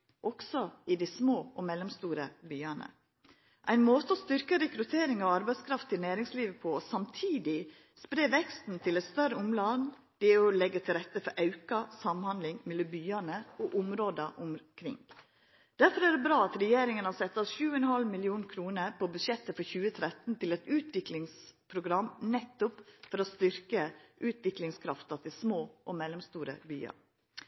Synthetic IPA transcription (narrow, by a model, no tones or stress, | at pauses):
ʔɔksɔɪd̪æsmoːʔɔmɛlːɔmst̪uːɾəbyːɑnə̰ | ʔæ̰ɪnmoːt̪əɔst̪ʏɾkəɾɛkɾʉt̪ʰeːɾɪŋɑʋɑɾbæɪskʰɾɑft̪ʰɪlnæːɾɪŋsliːʋəpʰɔsɑmt̪ʰiːd̪ɪ | spɾeːʋɛkst̪n̩t̪ʰɪlɛɪt̪st̪œɾəʊmlɑn | d̪̥ɛɔlɛɡːəʈ̪ʰɪlɾɛt̪ːəfɔɾʔɑʉkɑsɑmhɑnd̪lɪŋmɛlːəbyːɑnəɔʔʊmɾoːd̪ɑʔʊmkʰɾɪ̰ŋ | d̪̥æɾfɔɾæːɖɛbɾɑːɑt̪ɾɛjeːɾɪŋənhɑsɛt̪ːɑsʃʉːəɛnhɑlmɪlɪuːnkʰɾuːnəɾpɔbʉʃjɛt̪ːəfɔɾçʉːət̪ʰɾɛt̪n̩t̪ɪlɛt̪ʉːt̪ʋɪklɪŋspʰɾʊɡɾɑmːnɛt̪ːʊpfɔɾɔst̪ʏɾkəʔʉːt̪ʰʋɪklɪŋskʰɾɑft̪ɑt̪ʰɪlsmoːʔɔmɛlːəmst̪uːɾə̰by̰ːɑ̰